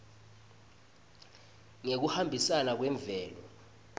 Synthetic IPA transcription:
ŋek̬uhambʱisanak̬wɛɱb̪vɛːlɔ̰

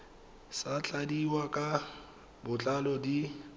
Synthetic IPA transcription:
sat͡ɬʼadiwakʼa | bʊt͡ɬʼalɔdi

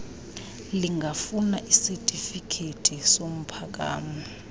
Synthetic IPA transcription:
liŋɡʱafunaʔisɛtʼifikʰetʼʰisom̩pʰak̬ʼa̰ːmɔ

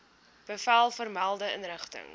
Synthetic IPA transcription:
b̥əfælˠfərmælˠdəənrəχtə̰ŋ

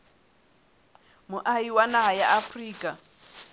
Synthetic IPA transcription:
mʊʔaiwanaɦajaʔafriːkʼa

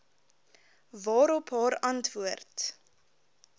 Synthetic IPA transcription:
vɑːɾɔpɦɑːɾɐntvuərt

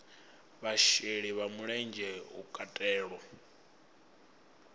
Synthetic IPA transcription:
βaʃeɺiβamuɺɛnd͡ʒʱɛṵkʼatʼɛːɺɔ

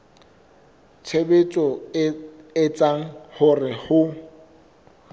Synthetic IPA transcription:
t͡sʰebet͡sʼɔ | ɪt͡sʼaŋ̩hʊrɪhʊ

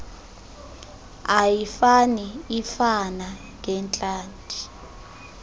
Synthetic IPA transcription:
ajifaniːfana | ŋʱɛnt͡ɬʼaːntʰʼi

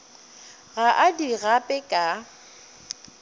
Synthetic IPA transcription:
ɣaʔadiɣapʼɛkʼa

